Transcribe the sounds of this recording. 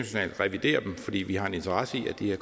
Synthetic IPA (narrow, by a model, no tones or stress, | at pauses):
æɕo̝nɛ̰ːl̥ʁɛʋid̥e̝̰ːɐd̥emfɒ̽d̥ḭːʋihɑ̈e̝ne̝nt͡sʰɐʁɑ̈səiæd̥iheɐk